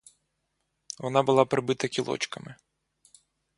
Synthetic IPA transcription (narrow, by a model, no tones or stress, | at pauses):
ʋɔnɑbʊlˠɑpɾɪbɪt̪ɐkʲilˠɔ̰t͡ʃkɐmɪ